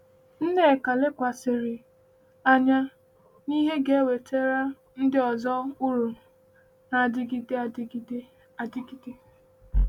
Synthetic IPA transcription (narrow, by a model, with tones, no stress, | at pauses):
n̩˦ne˦e˨ka˨lɪ˦kʷa˨sɪ˨ɾɪ˨ | a˨ɲa˦ | ni˦ɦe˦ɡe˨e˦we˨tʰe˦ɾa˦ | n̩˦dɪ˦ɔ˨zɔ˦ʊ˦ɾu˨ | na˨a˨dɪ˦ɡi˦de˦a˨dɪ˦ɡi˦de˦ | a˨dɪ˦ɡi˨ɡe˦